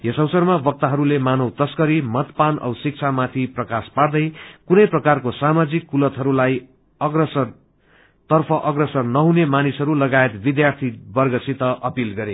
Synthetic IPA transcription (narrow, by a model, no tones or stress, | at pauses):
jesʌwsʌrmabʌk̚t̪aɦʌɾulemanʌwt̪ʌskʌɾimʌt̪panʌ̰wsik̚t͡sʰamat̪ʰiprʌkaspaɽd̪ʌjkunʌjprʌkarkosamad͡zikːulʌt̪ɦʌɾulaj | ʌɡrʌsʌr | t̪ʌrpʰʌʔʌɡrʌsʌrnʌɦunemanisɦʌɾulʌɡaet̪bid̪jart̪ʰibʌrɡʌsʰit̪ʌʔʌpilɡʌɾe